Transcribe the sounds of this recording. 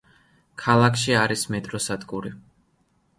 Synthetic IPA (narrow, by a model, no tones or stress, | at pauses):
kʰalˠakʰʃiaɾismɛt̪ʼɾɔsad̪ɡʼuɾi